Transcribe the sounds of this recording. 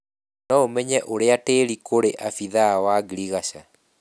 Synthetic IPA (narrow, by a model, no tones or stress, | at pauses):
nɔomɛɲɛʔoɾeateɾikoɾeʔafiðawaɡiɾiɣaʃa